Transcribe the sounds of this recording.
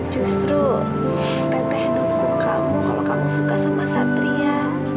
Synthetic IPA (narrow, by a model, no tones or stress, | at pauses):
d͡ʒust̪ɾu | t̪ət̪ɛhnopʊŋkamukalokamusukasəmasat̪ɾia